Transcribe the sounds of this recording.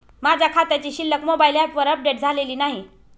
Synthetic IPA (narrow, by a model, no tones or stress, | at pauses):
mad͡ʑʱakʰat̪at͡ɕiɕilːəkmobailapʋəɾəp̚ɖeʈd͡zʱaleliːnaɦi